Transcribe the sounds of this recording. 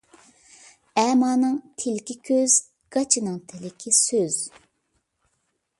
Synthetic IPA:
ɛːmɑːnɨŋt̪ʰɪlɪkʲikʲʰøz | ɡ̥ɑt͡ʃʰinɨŋt̪ʰɪlɪkʲʰisøz̥

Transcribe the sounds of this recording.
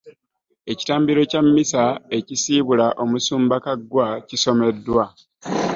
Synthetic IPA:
e̞ci̥taːmbiɾo̞camːisae̞cisiβulaʔo̞musuːmbakaɡwaciso̞me̞dːwwa

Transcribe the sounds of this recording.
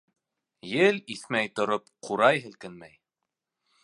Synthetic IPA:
jɘliθmæjt̪ŏɾop̚qʰuɾɑjɦɘ̆lkɘnmæj

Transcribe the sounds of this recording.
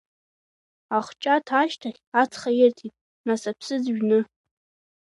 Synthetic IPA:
aχʷt͡ʃʼatʰaʃtʰaχʲat͡sʰχajɪrtʰitʼ | nasapʰsɨd͡zʒᶣnɨ

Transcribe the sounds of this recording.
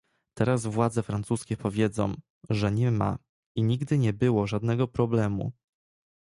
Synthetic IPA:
t̪ɛɾazvwad̪zɛfɾantsuskʲɛpɔvʲjɛd̪zɔ̰̃w̃ | ʐɛɲɛma̰ | iɲiɡd̪ɘɲɛbɘwɔʐad̪nɛɡɔpɾɔblɛmṵ

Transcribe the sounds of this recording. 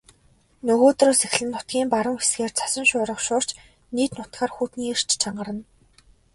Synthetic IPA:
nɵɣoːt̪roːsex̆ʲɮɘ̆nːʊt̪̚ɡʲiːmpaɾə̆ŋxe̥sɡeːrt͡sʰḁsə̆ŋʃʊːɾə̆χʃʊːr̥t͡ɕ | niːt̪nʊt̪̚ɢaːrxuːt̪niːer̥t͡ɕt͡ɕʰaɴɢə̆ɾə̆n

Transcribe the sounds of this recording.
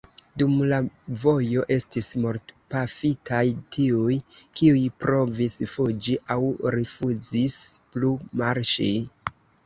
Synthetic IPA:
dumlavo̞jo̞ʔe̞stismoɾtpafitʰajtʰiujkiujpɾo̞visfud͡ʒiʔawɾifuzisplumaɾʃij

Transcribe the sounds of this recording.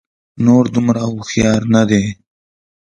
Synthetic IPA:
noːɾd̪ʊmɾaʊxjɑːɾnad̪e

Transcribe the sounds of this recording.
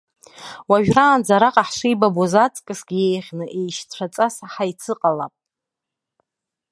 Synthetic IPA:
waʒᶣraːnd͡zaɾaqʼaħʂijbabozat͡sʼkʼɨsɡʲjejχʲnɨʔejʃt͡sʷʰat͡sʼasaħajt͡sʰɨqʼala̰pʼ

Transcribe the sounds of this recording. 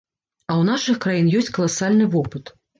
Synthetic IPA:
ɐwn̪aʂɨxkɾajinjɔsʲt͡sʲkɐlˠasalʲnɨvɔpɨt̪

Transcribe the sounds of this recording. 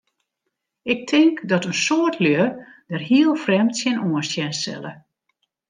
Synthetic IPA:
ɪk̚tʰɪŋkdɔtənsoərtʰlødərɦiəlˠfrɛmtsjɪnoənsjɛnsɛ̰lˠə

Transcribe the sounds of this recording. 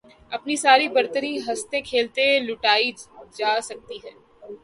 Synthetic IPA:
ɐpnisaːɾibɐɾt̪əɾiɦɐst̪ẽkʰeːlt̪elʊʈaːid͡ʒaːsɐk̚t̪iɦɛː

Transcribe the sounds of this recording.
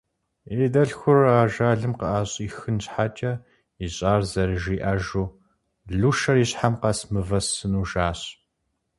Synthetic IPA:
eːdɐɬxʷʊraːʒaːɮɨmqəʔaːɕʼiːxɨnɕħaːt͡ʃʼɐ | iɕʼaːrzɐɾɨʒiːʔaːʒuː | ɮuʃɐriːɕħamqɐsmɨvɐsɨnuːʒaːɕ

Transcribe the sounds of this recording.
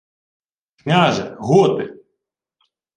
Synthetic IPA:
knʲaʒɛɣɔt̪ɪ

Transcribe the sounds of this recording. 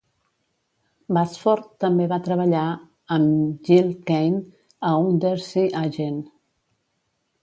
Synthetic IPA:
basfɔɾt̪ːəmbeβat̪ɾəβəʎa | əmʒilˠkejn | əund̪eɾsiʔaʒen

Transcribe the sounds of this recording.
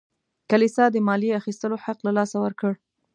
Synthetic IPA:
kalisɑd̪əmɑliaxist̪əloħaqlalɑsawəɾkəɽ

